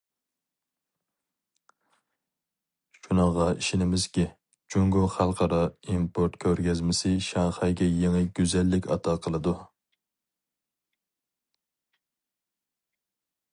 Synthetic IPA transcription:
ʃunɑʁɑiʃɪnɪmɪzkʲɪ | d͡ʒʰuŋɡʊχælˠqʰɑɾɑimpʰoɾt̪kʲʰøɾɡʲɛzmɪsɪʃɑŋχɑjɡʲɛjeŋɨɡʲyzɛlːɪkʲɑ̰t̪ʰɑqʰəlˠɨd̪u

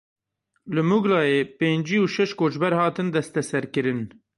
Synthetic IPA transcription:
lɨmuɡlɑːjeːpeːnd͡ʒiːuʃɛʃkoːt͡ʃbɛɾhɑːt̪ɨnd̪ɛst̪ɛsɛɾkɨɾɨn

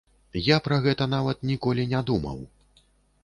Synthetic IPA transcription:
japɾɐɣɛt̪ɐn̪avɐt̪nʲikɔlʲinʲad̪umɐ̰w

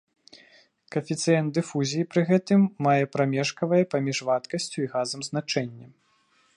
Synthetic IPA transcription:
kɐfʲit̪sɨjɛnd̪d̪ɨfuzʲijipɾɨɣɛt̪ɨmːajɛpɾamʲɛʂkɐvɐjɛpamʲiʂvat̪kɐsʲt͡sʲuiɣazɐmznat͡ʂɛnʲːɐ

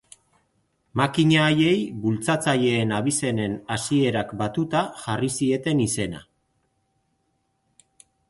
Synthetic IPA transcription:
makiɲaːje̞jbult͡sat͡saʎe̞ːnaβ̞ise̞ne̞nasie̞ɾakbat̪ut̪aʝarisie̞t̪e̞nise̞na̰

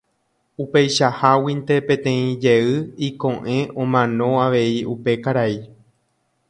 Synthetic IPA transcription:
upe̞jʃahawĩnt̪e̞pẽ̞t̪ẽ̞ĩd͡ʒeɨikõ̞ʔẽ̞õmãnõ̞aʋe̞iupe̞kaɾai

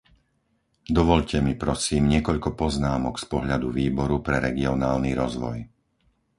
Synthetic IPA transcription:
d̪ɔʋɔʎcɛmipɾɔsiːmɲɪɛkɔʎkɔpɔznaːmɔkspɔɦʎad̪uʋiːbɔɾupɾɛɾɛɡiɔnaːlniɾɔzʋɔ̰j

